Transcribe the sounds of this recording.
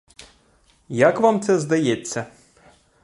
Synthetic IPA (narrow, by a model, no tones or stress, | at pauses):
jakvamt̪ɛzd̪ajet̪sʲːɐ